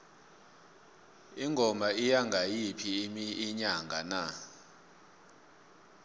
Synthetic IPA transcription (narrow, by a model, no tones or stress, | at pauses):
iŋʱɔmaijaŋɡʱajipʰimiiɲaŋɡʱa̰na